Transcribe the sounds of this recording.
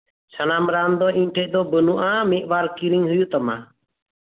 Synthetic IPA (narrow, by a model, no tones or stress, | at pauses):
t͡ʃʰənaːmɾaːnd̪oːĩːnʈʰeʔd̪oːbənuʔãːmeːʔʋaːɾkiɾɪŋɦʊjuːt̪əmã̰ː